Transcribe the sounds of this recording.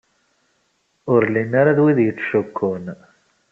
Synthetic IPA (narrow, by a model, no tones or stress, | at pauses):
ʊɾlinːaɾaðwiðjət͡sːʃʊkʰːʊn